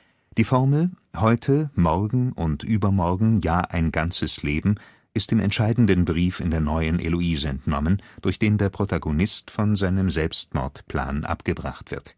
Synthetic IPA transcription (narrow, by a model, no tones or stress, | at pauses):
d̥iːfɔɐml̩ | hɔʏtʰəmɔʁɡŋ̩ʔʊntʔyːbɐmɔɐɡŋ̩jaːʔaɪnɡant͡səsleːbm̩ | ʔɪstd̥ɪmɛ̰ntʃaɪdn̩dənbʁiːfɪndeːɐnɔʏənʔḛloiːzəɛntnɔmənd̥ʊɐçd̥eːndeːɐpʁ̥otʰaɡonɪstfɔnzaɪnəmzɛlpstmɔ̰ɐtpʰl̥a̰ːnʔa̰pɡ̥əbʁa̰χtv̥ɪɐt